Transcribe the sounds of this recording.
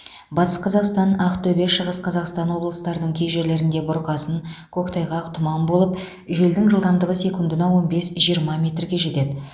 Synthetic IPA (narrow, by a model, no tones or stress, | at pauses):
bɑt̪ə̥sqʰɑzɑqst̪ɑnɑqt̪ʰɵbe̞ʃəʁəsqʰɑzɑqst̪ɑnwo̞blˠəst̪ɑɾənəɴkʲʰe̞jʒe̞ɾle̞ɾɪnd̪e̞bʊɾqɑsənkʲʰɵkt̪ʰɑjʁɑqt̪ʰʊmɑmbo̞lˠəp | ʒe̞ld̪ɪŋʒəlˠd̪ɑmd̪əʁəse̞kund̪ɪnɑwo̞nbe̞sʒijəɾmɑmʲe̞t̪rɡʲe̞ʒe̞t̪e̞d̪ɪ